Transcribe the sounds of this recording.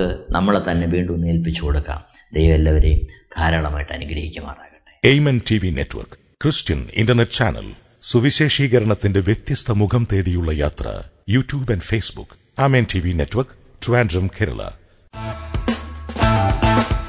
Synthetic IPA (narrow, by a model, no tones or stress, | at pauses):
ɨnʔɐmːɐɭet̪ɐnːeʋiːɳɖumnːieːlpit͡ɕːukoɽukːa̰ːm | d̪ejɐʋɐlːɐʋɐɾed̪̥ʱaːɾaːɭɐmaːjiʈːɐ̰nuɡɾɐhikʲːɐma̰ːɽaːɣɐɳʈːeejmɐntʰiʋinḛtːʋɐ̰rk | krɨstɐnḭndɐrneʈːɨt͡ɕaːnɐ̰l | suʋiɕe̞ːʂiːɣɐɾɐɳɐt̪ːinde̞ʋjet̪jɐst̪ʰɐmuɡʰɐmt̪eːɽijuɭːɐja̰ːt̪rɐ̰juːtjuːbɐnɖfeːsbṵkː | aːmeːntʰiʋinetːʋɐrk | tuaːndrɐmkʰeːɾɐ̰ɭɐ̰